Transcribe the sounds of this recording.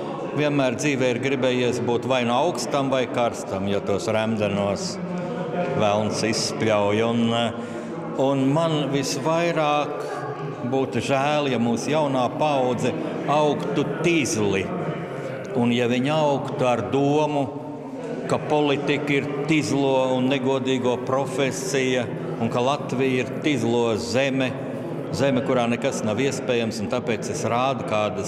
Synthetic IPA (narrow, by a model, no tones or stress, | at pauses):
vʲiɛnmæːɾd̪ziːʋɛːiɾɡɾibɛːjiɛsbuːt̪vajnuawkst̪amvajkaɾst̪amjat̪uɔsɾæmd̪ɛnuɔs | ʋælˠnsisːplʲawjun | unmanʋisʋajɾɑːk | buːt̪uʒæːljamuːsjawnaːpawd̪zɛ | awkt̪ut̪izlˠi | unjaviɲawkt̪uaɾd̪uɔmu | kapɔlˠit̪ikiɾt̪izlˠuɔunːeɡuɔd̪iːɡuɔpɾɔfʲesijɐ | unkalˠat̪ʋijiɾt̪izlˠuɔzemʲɛ | zɛmɛkuɾaːnɛkasnaʋiɛspɛːjamsunt̪apeːt̪sesɾaːd̪kaːd̪ɐ